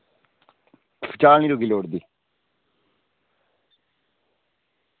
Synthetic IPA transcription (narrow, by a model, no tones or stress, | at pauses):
fʰt͡ʃaːlniːɾoːɡiːloːɽd̪iː